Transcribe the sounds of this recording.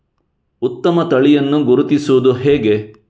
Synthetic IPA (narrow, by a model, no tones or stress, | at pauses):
ut̪ːɐmɐt̪ɐɭijɐnːuɡuɾut̪isuʋud̪uɦɛːɡe̞